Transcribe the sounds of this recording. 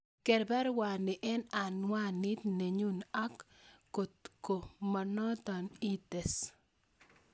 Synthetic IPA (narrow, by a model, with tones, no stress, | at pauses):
kɛ˨ɾbɛ˦ɾwa˨nɪ˨ʔɛ˦na˨nwa˦nɪ˦t̪ne˨ɲu˦na˦kː | o˨tko˨ma˨nɔ˦t̪a˨ni˦t̪ɛ˨s